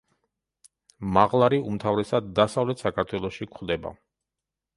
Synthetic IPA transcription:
maʁlˠaɾiumt̪ʰavɾɛsad̪ːasavlɛt̪ʰsakʰaɾt̪ʰwɛlˠɔʃikχd̪ɛba̰

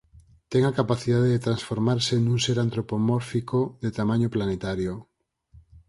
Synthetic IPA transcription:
t̪ɛŋakapaθiðaðeðet̪ɾansfoɾmaɾsenũŋseɾant̪ɾopomɔɾfikoðet̪amãɲoplanet̪aɾjo

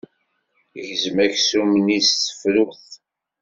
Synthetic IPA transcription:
ʝəzmæçsumnisθə̥fluθ

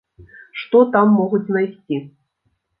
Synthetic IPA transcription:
ʂt̪ɔt̪amːɔɣut͡sʲnajsʲt͡sʲi

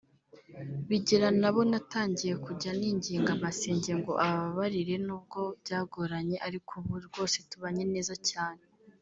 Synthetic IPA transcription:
βiɟiɾanaβo̞nataːɲɟije̞kuɟaniːɲɟiːŋɡamase̞ːɲɟe̞ŋɡo̞ʔaβaβaβaɾiɾe̞nuːb̚ɡo̞bjaːɡoɾaɲe̞ʔaɾikʰuβuɾɡo̞ːse̞tuβaɲe̞ne̞ːzacaːne̞

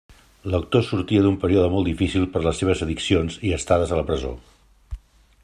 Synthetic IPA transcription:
lək̚t̪osuɾt̪iəðumpəɾioðəmɔlˠd̪ifisilˠpəɾləsːeβ̞əzəðiksionziəst̪aðəzələpɾəzo̰

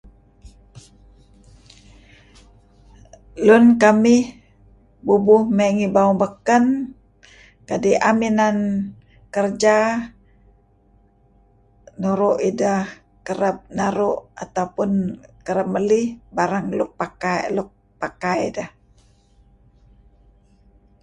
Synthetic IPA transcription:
lʊnkamɪh | bubʊhməŋibauŋbəkən | kadiʔaminan | kərd͡ʒa | nuɾuʔidah | kəɾəp̚naɾuʔat̪awpʊnkəɾəp̚məlihbaɾaŋluk̚pakaluk̚ | pakajdəh

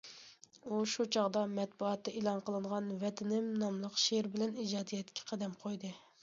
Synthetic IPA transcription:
uʃut͡ʃʰɑʁd̪ɑmɛt̪̚buɑt̪ːɛʔelˠɑnqəlˠɨɴʁɑnvɛt̪ʰɪnɪmnɑmlˠəqʃeɾbɪlɛnid͡ʒɑːd̪ijɛt̪kʲʰːɛ̥qʰæd̪ɛmqʰojd̪ɨ

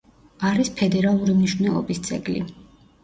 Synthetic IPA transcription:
aɾispʰɛd̪ɛɾalˠuɾimniʃnɛlˠɔ̰bist̪sʼɛ̰ɡlḭ

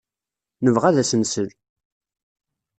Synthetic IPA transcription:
nəvʁæðæsənsəl

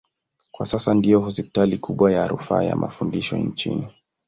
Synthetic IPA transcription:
kwasasandijɔhɔspi̥talikʰuɓwajaɾufaːja̰mʔafundiʃɔ̰nt͡ʃḭni

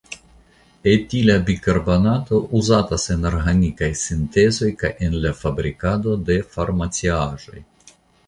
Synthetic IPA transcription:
etilabikaɾbanat̪o̞ʔuzatase̞naɾxanikajsint̪e̞zo̞jkajʔenlafabɾikad̪o̞d̪e̞faɾmat͡siaʒo̞j

